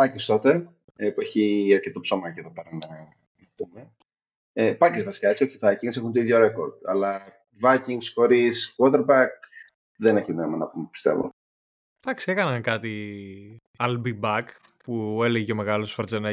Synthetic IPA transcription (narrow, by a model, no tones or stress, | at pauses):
pɐcest̪o̞t̪e̞ | epueçiɐɾce̞t̪opso̞mɐceðope̞ɾɐnɐ | nɐpume̞ | epɐcezvɐsi̥kɐet͡sio̞çit̪ɐciŋsexunt̪oiðʝo̞ɾe̞ko̞ɾd̪̚ɐ̰lɐ | vɐciŋɡsko̞ɾiskwot̪eɾbɐk̚ | ðeneçinemɐnɐpumepi̥st̪e̞̰vo̰ | d̪̥ɐksiekɐnɐŋkɐt̪i | ɐlbibɐk | pueleʝecome̞ɣɐlussfɐɾt͡senɐ